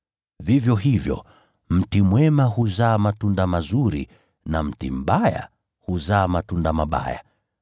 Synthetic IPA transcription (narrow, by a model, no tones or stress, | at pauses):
vivjɔɦivjɔ̰ | m̩timwɛmaɦuzaːmatundamazuɾḭ | nam̩tim̩ɓaja̰ | huzaːmatundamaɓa̰ja̰